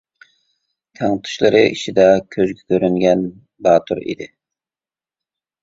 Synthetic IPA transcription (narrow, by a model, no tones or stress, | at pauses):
t̪ʰæŋt̪ʰu̥ʃlˠɨɾɨʔiʃid̪ɛkʲʰøzɡʲɛkʲʰøɾyŋɡʲɛn | bɑːt̪ʰuɾḭd̪ɪ